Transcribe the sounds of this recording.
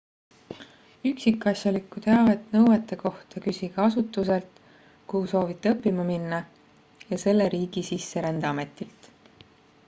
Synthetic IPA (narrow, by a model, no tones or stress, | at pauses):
yksikːˑɑsjɑlikːˑut̪eɑve̞t̪nɤwwet̪ːˑe̞ko̞ht̪ɑkysʲiɡ̥ɑɑsut̪ːˑuse̞lt̪ | kuhuso̞ːvit̪ˑːeɤpːimɑminːɑ | jɑse̞lːeɾiːɡ̥isisːe̞ɾænd̪̥eɑme̞t̪ːˑilt̪